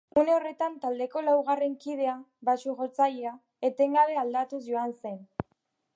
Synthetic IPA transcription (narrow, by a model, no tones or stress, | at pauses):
une̞o̞re̞t̪ant̪ald̪e̞ko̞lawɣare̞ŋkið̞e̞a | βasuɣo̞t͡sajea | e̞t̪e̞ŋɡaβe̞ald̪at̪usʝo̞anse̞n